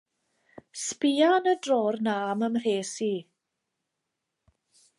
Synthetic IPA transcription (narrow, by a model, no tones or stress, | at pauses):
spiːanədroːrnaːməmr̥eːsi